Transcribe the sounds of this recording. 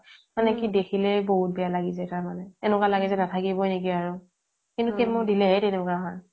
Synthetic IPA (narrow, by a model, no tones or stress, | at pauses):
manɛkidekʰilɛboɦut̚bɛjalaɡizɛtaɹmanɛtɛnʊkalaɡizɛnatʰakibɔjnekiaɹʊ | kintukemʊɹdilɛɛtɛnʊkaɦɔj